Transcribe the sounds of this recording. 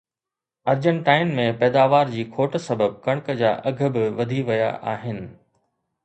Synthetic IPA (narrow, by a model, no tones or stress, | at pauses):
ɐɾd͡ʑə̃ɳʈaːɪnmẽpɛːd̪aːʋaːɾd͡ʑiːkʰoːʈsɐbʱəb̚kɐɽ̃kd͡ʑaːʔɐɡʱə̆bɪʋɐd̪ʱiʋɐja̰ʔa̰ːɦɪnɪ̆